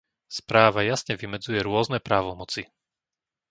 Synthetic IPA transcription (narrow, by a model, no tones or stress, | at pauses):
spɾaːʋajasɲɛʋimɛd͡zujɛɾʊɔznɛpɾaːʋɔmɔt͡si